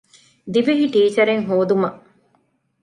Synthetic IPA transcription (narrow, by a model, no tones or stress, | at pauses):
d̪iʋeɦiʈiːt͡ʃɐɾeŋɦoːd̪umɐʔ